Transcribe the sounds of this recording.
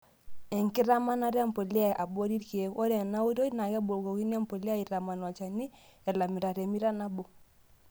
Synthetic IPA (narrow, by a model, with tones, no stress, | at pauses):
ɛ˨ŋki˦ɾa˦ma˦na˦ɾa˦m̩˨po˨li˦a˦˨ʔa˨bo˦ɾi˦ɾki˨e˦o˦ɾɛ˨na˦wu˦to˦na˨kɛ˦bo˨lko˨ki˦n˦a˦m˦po˨li˦a˦i˨ɾa˨ma˨n˨a˨t͡ʃa˨ni˦ɛ˨la˨mi˨ɾa˨ɾɛ˨mi˦ɾa˦na˦bo˨